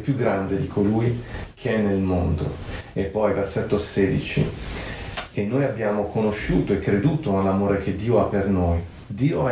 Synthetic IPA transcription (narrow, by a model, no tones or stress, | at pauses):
pjuɡːɾand̪ed̪ikʰoluːjkʰeɛnːelmond̪o̰epːɔjversɛt̪ːoaseːd̪it͡ʃḭ | enːoːjabːjaːmokonoʃːuːt̪oekːɾed̪uːt̪onelːamoːɾek̟ed̪ːiːoapːernoːj | d̪iːo